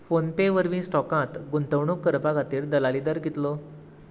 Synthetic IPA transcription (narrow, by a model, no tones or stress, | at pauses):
fonpeʋəɾʋĩsʈɔkãt̪ɡunt̪əʋɳukːəɾpaɡat̪iːɾd̪əlalid̪əɾɡit̪lɔ